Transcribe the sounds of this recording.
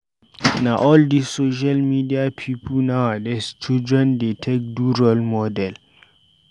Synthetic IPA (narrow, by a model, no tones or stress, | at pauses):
naʔɔldisːoʃ̬almidiapʰipʰulnawadɛst͡ʃidɹɛ̃ndetʰek̚duɹɔlmɔdɛl